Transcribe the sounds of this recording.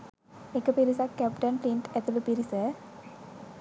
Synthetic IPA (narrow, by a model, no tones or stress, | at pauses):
ekəpiɾisakːɛp̚ʈənpɾiɳʈɛt̪ulupiɾisə